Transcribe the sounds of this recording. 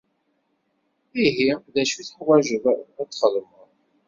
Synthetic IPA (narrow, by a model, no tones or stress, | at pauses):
iɦiðæʃuθəħwæʒəvææt͡s̪ːχəlmə